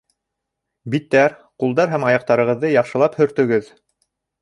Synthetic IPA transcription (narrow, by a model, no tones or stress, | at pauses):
bit̪ːæɾqulˠd̪ɑɾɦæmɑjɑq̚t̪ɑɾɤ̆ʁɤ̆ðːɤjɑχʃɤ̆lˠɑphɵ̆ɾt̪ɵ̆ɡɘð